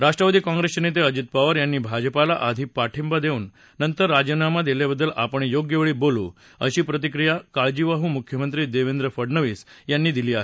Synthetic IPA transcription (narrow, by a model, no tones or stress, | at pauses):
ɾaʂʈɾəʋad̪iːkãŋɡɾesənet̪̬eəd͡ʑit̪̚paʋəɾjanːiːbʱad͡ʑəpala̰ʔad̪ʱipaʈʰimbad̪euːnː | ənt̪əɾːad͡ʑənamad̪eljabəd̪ːəlʔapəɳ̃joɡjəʋɭiːbolṵː | ə̰ɕiːpɾət̪̬ikɾijakaɭd͡ʑiʋaɦuːmukʰjəmənt̪ɾiːd̪eʋend̪ɾəfəɽnəʋiːsjanːiːd̪iliːaɦe